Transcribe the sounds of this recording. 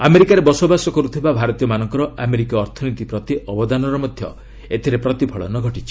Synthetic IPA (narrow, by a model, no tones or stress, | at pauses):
ameɾikaɾebɔsobasɔkɔɾut̪ʰibabʱaɾɔt̪ijɔmanɔŋkɔɾɔʔameɾikiɔɾt̪ʰɔnit̪ipɾɔt̪iʔɔbɔd̪anɔɾɔmɔd̪ʱjɔ̰ | et̪ʰiɾepɾɔt̪ipʰɔɭɔ̰nɔɡʱɔʈit͡ʃʰi̥